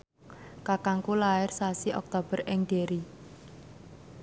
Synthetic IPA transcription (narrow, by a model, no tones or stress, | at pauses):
kakaŋkulaɪrsasiʔɔk̚t̪ob̥ə̤rʔɪŋd̪̥e̤ɾi